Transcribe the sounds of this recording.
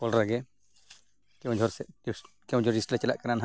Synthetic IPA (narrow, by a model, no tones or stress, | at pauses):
pɔlɾaɡɛ | kɛw̃d͡ʒʱɔɾsɛ | kɛw̃d͡ʒɔɾisʈlɛt͡ʃɛla̰ʔkaɾnanɦa